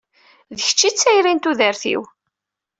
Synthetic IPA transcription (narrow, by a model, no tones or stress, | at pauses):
ðəçə̥t͡ʃːit͡sːæjɾint̪uðəɾθḭw